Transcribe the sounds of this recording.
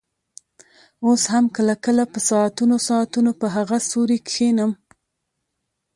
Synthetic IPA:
oshamkəlakəlapəsɑat̪unosɑat̪unopəɦaɣasoɾikxenəm

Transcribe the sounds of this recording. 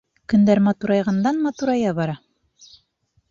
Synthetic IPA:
kɵ̆nd̪æɾmɑt̪uɾɑjʁɑnd̪ɑnmɑt̪uɾɑjɑbɑɾɑ

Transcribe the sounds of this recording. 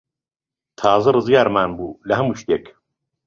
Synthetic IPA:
t̪ʰaːzɐɾɨzɡaːɾmaːnbuːlɐɦɐmuːʃt̪eːk

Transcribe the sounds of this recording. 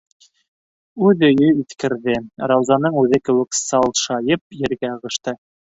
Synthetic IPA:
ʉðɵ̆jɵiθkɘ̆ɾðɘɾɑwzɑnɤɴʉðɘkɘ̆wɘ̆ksɑlˠʃɑjɤp̚jɘ̆ɾɡæʁɤ̆ʃt̪ɤ

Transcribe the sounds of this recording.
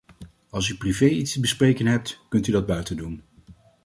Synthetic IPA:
ɑlˠs̬yprivejitstəbəsprejkənɦɛp̚tkɵntydɑd̚bœɥtəndun

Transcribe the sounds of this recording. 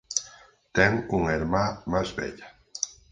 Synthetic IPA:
t̪ɛŋuŋeɾmamazβɛ̰ʎa

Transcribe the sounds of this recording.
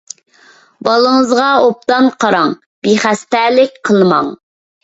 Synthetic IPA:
bɑlˠəŋəzʁɑop̚t̪ɑnqʰɑɾɑŋ | b̥iχæst̪ɛlɪkʲqʰəlˠmɑŋ

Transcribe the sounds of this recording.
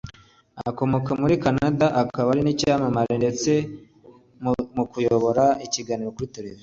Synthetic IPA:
a̰ko̞mo̞kamuɾikanadaʔakaβaɾinicamamaɾende̞t͡se̞ | mmukujo̞βo̞ɾaiciɡaniɾo̞kuɾiteɾeza

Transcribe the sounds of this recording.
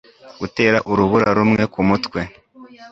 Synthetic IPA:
ɡute̞ːɾaʔuɾuβuɾaɾumŋe̞kumutwe̞

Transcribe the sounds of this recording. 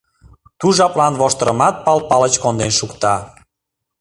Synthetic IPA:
t̪uʒɑplɑnβoʃt̪əɾə̰mɑt̪̚pɑlpɑlət͡ɕkond̪enʃukt̪ɑ

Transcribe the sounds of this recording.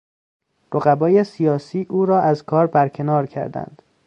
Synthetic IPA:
ɾoɣæbɒːjesijɒːsiːʔuːɾɒːʔæzkʰɒːɾbæɾcʰe̞nɒːɾcʰæ̰ɾd̪æ̰nd̪̥

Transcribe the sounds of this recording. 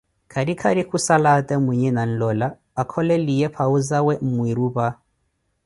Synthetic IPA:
kʰaɾikʰaɾikusalatʼɛmwɛɲɛnan̩lɔla | akʰɔlɛlijɛpʰauzawɛm̩mwiɾuβa

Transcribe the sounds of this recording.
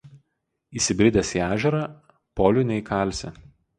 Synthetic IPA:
iːsʲɪbʲɾʲɪd̪ʲɛsiæːʒʲɛɾɑ | pɔːlʲʊnʲɛikʰɑˑlʲˑsʲɛ

